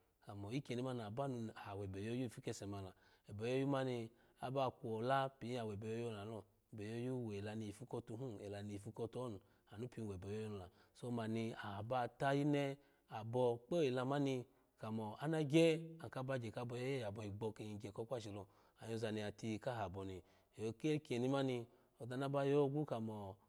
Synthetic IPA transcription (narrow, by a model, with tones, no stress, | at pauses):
ka˨mɔ˨i˦ke˨˧ni˧˦ma˦n˨a˨ba˦nu˧˨a˨ha˨wɛ˨bɛ˨jo˦ju˦˨fi˦kɛ˧sɛ˨ma˨la˨ | ɛ˨bɛ˨jo˦ju˦ma˦ni˧ | a̰˦ba˦˨kʷɔ˨la˦pi˨˦a˨wɛ˨bɛ˨jo˧jɔ˦˨a˨lɔ˧˨bɛ˨jo˧˦ju˦we˨la˧ni˧i˨fu˧˦kɔ˧tu˧ɦũ˦ɛ˨la˨ni˧˨i˨fi˧kɔ˧tɔ˦nu˨ | a˨nu˦pi˧˦˨e˨bɛ˨jo˦jo˦nu˧˨la˨ | so˧˦ma˨ni˧a˨a˨ba˦˨ta˦ji˦nɛ˦ | a˨bɔ˧k͡po˦i˨la˧ma˦ni˧ | ka˨mɔ˨a˦na˧ɡɛ˦a˨ka˧˦ba˧˨d͡ʒɛ˨ka˧bɔ˧jɔ˦jɛ˦ja˨bɔ˧˨i˨ɡ͡bɔ˧ke˧˨i˨ɡɛ˨kɔ˧˦kʷa˦˨ʃi˨lɔ˧˨ | a˨jo˧za˧ni˧a˨ti˧ka˦ɦa˨bɔ˨ni˨ | o˧ke˦ki˨e˨ni˧ma˦ni˧ | ɔ˨da˧˨na˦ba˧jɔ˦ɡu˦ka˨mɔ˨